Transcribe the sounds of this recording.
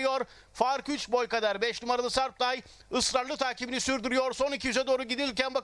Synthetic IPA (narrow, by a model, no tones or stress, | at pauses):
joɾ | faɾkyt͡ʃbo̞jkad̪aɾbɛʃnumaɾad̪ˠasaɾp̚d̪aj | ɯsɾaɾlˠɯt̪ʰaːcʰibinisyɾd̪yɾyjo̞ɾso̞nicʰijyzɛd̪oːɾuɟid̪ilʲcænba